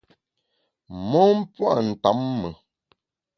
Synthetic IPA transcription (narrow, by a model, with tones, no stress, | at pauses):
mɔ˦m̩˦pwa̰˦˨n̩˨ta˨˦mːə˨